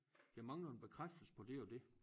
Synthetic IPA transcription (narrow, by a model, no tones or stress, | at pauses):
d̥iæɐmɑ̈ŋlən̩b̥e̝kʰʁafd̥̩spʰɒ̽d̥e̝ɒd̥e̝